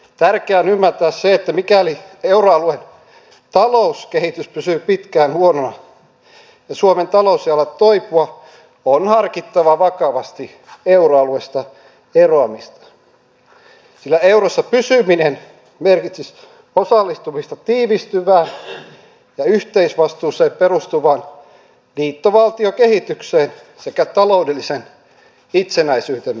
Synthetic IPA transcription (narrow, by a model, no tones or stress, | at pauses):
t̪ærkeæːnymːært̪æːsseet̪ːæmikælieuroɑluen | t̪ɑlouskehit̪yspysypit̪kæːnhuononɑ | jɑsuoment̪ɑloˑusjɑlːɑt̪oipuɑ | onhɑrkit̪ːɑʋɑʋɑkɑʋɑst̪i | euɾoɑluest̪ɑ | eroɑmist̪ɑ̥ | silːæewrosːɑpysyminen | merkit̪sis | osɑlːist̪umist̪ɑt̪iːʋist̪yʋæː | jɑyht̪eisʋɑst̪uːseːpperust̪uʋɑːn | liːt̪ːoʋɑlt̪iokehit̪ykseːn | sekæt̪ɑloudelːisen | it̪senæisyːt̪en